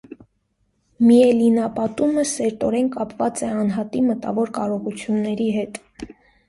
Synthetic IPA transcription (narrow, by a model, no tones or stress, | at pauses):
miɛlinɑpɑt̪uməsɛɾt̪ɔɾɛnkɑpvɑt͡sɛɑnɦɑt̪imət̪ɑ̰vɔɾkɑɾɔʁut͡sʰjunːɛɾiɦɛt̪